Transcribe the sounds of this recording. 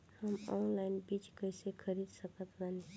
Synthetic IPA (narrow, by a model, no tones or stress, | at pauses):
həmɔnlaɪnbit͡ʃkəisekʰəɾid̪səkət̪ɾani